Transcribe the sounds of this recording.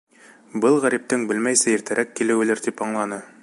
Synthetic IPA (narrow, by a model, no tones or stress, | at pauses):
bɤlˠʁæɾip̚t̪ɘŋbɘlmæjsɘiɾt̪ʰɘ̆ɾʔækːilɘ̆wɘ̆lɘɾd̪ipɑɴlˠɑnɤ